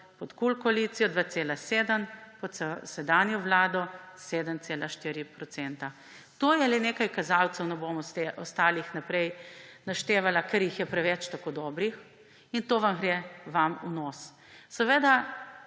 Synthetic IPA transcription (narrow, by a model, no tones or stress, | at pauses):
pɔt̪kulkɔaliːt̪sijɔd̪ʋaːt̪seːlaseːd̪əmpɔt̪sɛsɛd̪aːnjɔʋlaːd̪ɔseːd̪əmt̪seːlaʃt̪iːɾipɾɔsɛnt̪a | t̪oːjɛlɛneːkajkazawt̪sɛwnɛbomɔst̪eɔst̪aːlixnapɾɛjnaʃt̪eːʋalakɛɾjixjɛpɾɛʋɛt͡ʃt̪akoːd̪ɔːbɾix | int̪oːʋamɡɾɛʋamunɔs | sɛʋeːd̪a